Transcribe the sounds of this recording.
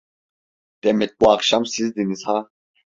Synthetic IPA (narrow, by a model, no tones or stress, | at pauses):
t̪ʼɛmɛt̪̚kʼuaqʃamsizd̪inisha